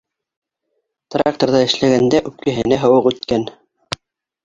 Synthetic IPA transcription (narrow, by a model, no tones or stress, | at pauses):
t̪rak̚t̪orðɑɘ̆ʃlæɡænd̪æʔʉp̚kɘ̆ɦɘ̆næɦɤ̆wɤqʉt̪kæn